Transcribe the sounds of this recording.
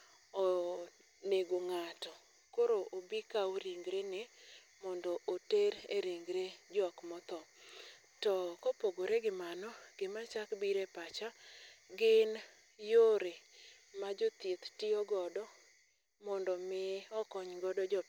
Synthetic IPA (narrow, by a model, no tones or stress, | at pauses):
o | neɡoŋatɔ | koɾoʔobikaoɾiŋɡɾene | mɔndɔʔoteɾeɾiŋɡɾed͡ʒɔkmɔt̪ɔ | tɔkopoɡoɾeɡɪmanɔɡ̥ɪmat͡ʃakbiɾepat͡ʃaɡɪn | joɾe | mad͡ʒot̪jet̪tɪɔɡɔdɔ | mɔndɔmɪɔkɔɲɡɔdɔd͡ʒɔ